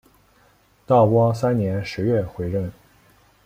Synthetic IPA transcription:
t̪ɑ˥˩ʊpwɔ˥sa˥nnjɛ˧˥nʂɻ̩˧˥ɥɛ˥˩xwe˧˥ɪɻə˥˩n

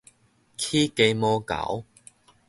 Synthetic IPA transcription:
kʰi˦ke˧jmɔ˧ka̰˨˩˦w

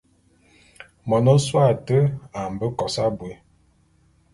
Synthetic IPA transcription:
mɔ˨nɔ˦swa˦˨tə˦a˨m̩˨bə˦kɔ˨sa˦bwe˨˦

